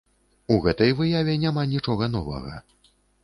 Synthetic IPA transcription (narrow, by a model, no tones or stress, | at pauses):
uɣɛt̪ɐjvɨjavʲɛnʲamanʲit͡ʂɔɣɐnɔvɐ̰ɣɐ̰